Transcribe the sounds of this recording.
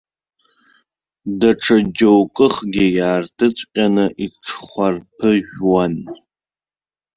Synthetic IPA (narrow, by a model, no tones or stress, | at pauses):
daʈ͡ʂʰad͡ʒowkʼɨχɡʲɪjaːrtʰɨt͡sʷʼqʲʼanɨʔiʈ͡ʂʰχʷarpʰɨʒᶣwan